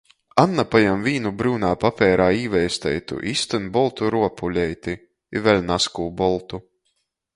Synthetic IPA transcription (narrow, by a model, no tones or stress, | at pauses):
anːapajamviːnubɾuːnaːpapʲɛːɾaːiːvɛjst̪ɛ̰jt̪ṵʔiːst̪ɨnbɔlˠt̪uɾuɔpʰulʲɛjt̪i | ivɛlʲnaskuːbɔlˠt̪u